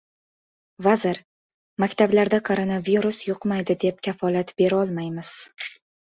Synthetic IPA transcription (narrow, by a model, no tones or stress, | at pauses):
vazɪɾ | makʲt̪ʰablaɾd̪akʰoɾonaviɾusjʊqmajd̪ɪd̪e̞p̚kʲʰafɒlat̪be̞ɾɒlˠmajmɪz̥